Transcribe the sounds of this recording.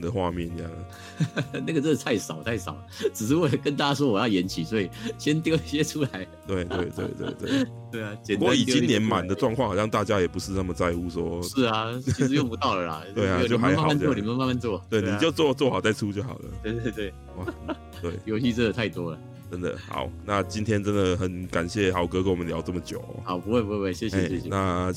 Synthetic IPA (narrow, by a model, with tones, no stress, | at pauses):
d̪ə˩xwa˥˧mjɛ˥˨ni˥j̰ŋ˩ | na˥˩ɡə˩t͡sə˥˩˨t̪ʰa˥˩ɪʂɑ˨˩˦ʊt̪ʰa˥˩ɪʂɑ˨˩˦ʊ | ʈ͡ʂɻ̩˨˩ʂ̬ɻ̩˥˩wɔ˥˩˨kə˧˥nt̪a˥˧a˥s̬wɔ˥wɔ˨˩jɑ˥˩ʊjɛ˧˥nt͡ɕʰi˨˩swɔ˧˥i˨˩ɕjɛ˥nt̪jo˥˧ʊɕjɛ˥ʈ͡ʂʰu˥la˨˦˥ɪt̪we˥˩ɪt̪we˥˩ɪt̪wḛ˥˩ɪt̪wḛ˥˧˩ɪt̪wḛ˥˩ | t̪we˥˩ɪa˩t͡ɕjɛ˨˩n˨wi˨˩t͡ɕi˦˥njɛ˧˦nma˨˩nd̪ə˩˦ʈ͡ʂwɑ˥˧ŋkʰwɑ˥˩ŋhɑ˨˩jɑ˥˧ŋt̪a˥˧t͡ɕja˦jɛ˨˩pu˧˥ʂɻ̩˥˧na˥˩mə˨t͡sa˥˧ɪu˥˧swɔ˦˥ʂ̩˥˩ɐ˩t͡ɕʰi˧ʂ̩˧jŋpu˧˥t̪ɑ˥˩ʊlə˩lɐ̰˨t̪we˥˩˧ɪa˨˥˧t͡ɕo˥˩ʊ˨a˧˥ma˥˧˨a˥˧˥wɔ˥˨i˨˩˧ma˥˧nma˥˧nt͡swɔ˥˩t̪we˥˩ɪ˧ni˨t͡ɕjo˥˧ʊt͡swɔ˥˧t͡swɔ˥˩xɑ˨˩t͡sa˥˩ɪʈ͡ʂʰu˥t͡ɕjo˥˩ʊxɑ̰˨˩ʊlə̰˦we˥˧we˥˧t̪we˥˩ɪ | w | t̪we˥˩ɪjo˧ʊɕi˥˧t͡s̩˥˩ə˨˩t̪ʰa˥˩ɪt̪wɔ˥lə˨˩ | ʈ͡ʂə˦nd̪ə̰˨xɑ̰˨˩˦ʊna˥˧t͡ɕi˦˥nt̪ʰjɛ˥nt͡sə˦˥nd̪ə˨xə˨˩nka˨˩nɕjɛ˥˩xɑ˨˩ʊkɤ˧˦kə˥nwɔ˨mə˦nljɑ˧˥ʊt͡sə˥˩mə˩t͡ɕjo˨˩ʊ̰˦a˨˦ʊpu˧˥xwpu˧˥we˥˩we˥˩ɕjɕɛ˥˩ɛ˥˩˥na˥˧